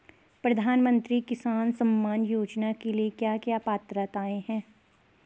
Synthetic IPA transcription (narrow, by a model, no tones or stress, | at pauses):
pɾɐd̪ʱaːnmə̃nt̪ɾikɪsaːnsɐ̃mːaːnjuːd͡ʒnakeliekjaːkjaːpaːt̪ɾət̪aːeɦɛ̃ː